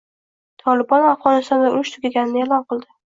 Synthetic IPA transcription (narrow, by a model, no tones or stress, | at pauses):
t̪ʰɒlɪbɒnafʁɒnɪst̪ɒnd̪aʊɾɪʃt̪ʰʊɡʲaɡʲanɪnɪelˠɒnqɨlˠd̪ɪ